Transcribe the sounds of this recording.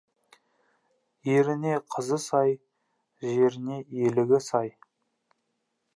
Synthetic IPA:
jeɾɪne̞qʰəzəsɑj | ʒe̞ɾɪne̞elɪɡʲɪsɑj

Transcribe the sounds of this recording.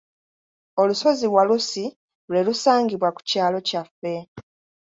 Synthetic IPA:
o̞luso̞ziβwalusi | lwe̞lusaːŋɡiβwaku̥caːlo̞cafːe̞

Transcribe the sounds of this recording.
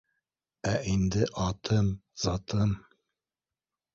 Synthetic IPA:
æʔind̪ɘʔɑt̪ʰɤmz̥ɑt̪ʰɤm

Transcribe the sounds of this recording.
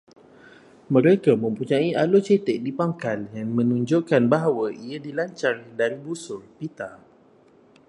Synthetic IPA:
mə̃ɾekamə̃mpuɲaiʔalot͡ʃet̪ɛʔdipaŋkaljaŋmə̃nũɲd͡ʒoʔkanbaɦawaʔiadilaɲt͡ʃardaɾibusʊlpit̪a

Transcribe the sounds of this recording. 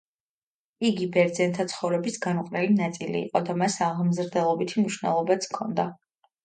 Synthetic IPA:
iɡibɛɾd̪zɛnt̪ʰat̪sʰχɔvɾɛbisɡanuqʼnɛlinat̪sʼilḭːqʼɔd̪amasaʁmzɾd̪ɛlˠɔbit̪ʰimniʃnɛ̰lˠɔbat̪sʰkʰɔnd̪a

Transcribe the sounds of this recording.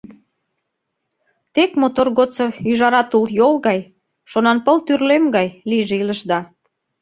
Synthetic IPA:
t̪ekmot̪orɣot͡soyʒɑɾɑt̪uljolɣɑj | ʃonɑnpəlt̪yrlemɡɑjliʒeiləʃd̪ɑ

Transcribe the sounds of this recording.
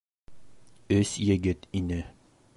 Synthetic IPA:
ɵsjɘ̆ɡɘt̪inɘ

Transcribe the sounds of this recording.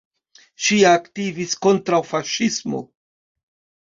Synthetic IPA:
ʃiaktivisko̞ntɾawfaʃismo̞̰

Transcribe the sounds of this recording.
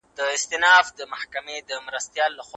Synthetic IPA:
d̪̥əɪst̪ɪnɑfd̪əmahkamed̪əmɾast̪jɑlːaxw

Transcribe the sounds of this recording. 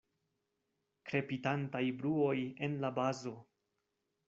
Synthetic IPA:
kɾe̞pitantajbɾuo̞je̞nlabazo̞

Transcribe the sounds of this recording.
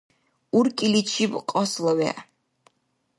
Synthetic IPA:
uɾkʼilit͡ʃʰibqʼɔslɐwɛ̰

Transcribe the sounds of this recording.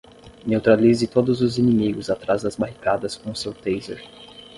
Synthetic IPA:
newt̪ɾalizɪt̪od̪ʊzʊzinĩmiɡʊzat̪ɾazd̪ɐzbaɦikad̪ɐskõʊsewt̪ejzeɾ

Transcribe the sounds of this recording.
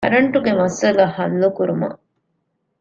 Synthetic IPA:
ɐ̰ɾɐɳʈuɡemɐsɐlahɐlːukuɾumɐ̰

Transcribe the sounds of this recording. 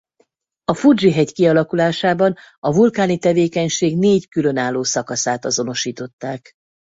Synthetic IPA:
ɒfurd͡ʒiɦɛɟkiɒlɒkulaːʃaːbɒnɒvulkaːnit̪ɛveːkɛɲʃeːɡneːckylø̞naːlːoːsɒkɒsaːt̪ɒzo̞no̞ʃiːt̪o̞t̪ːaːk

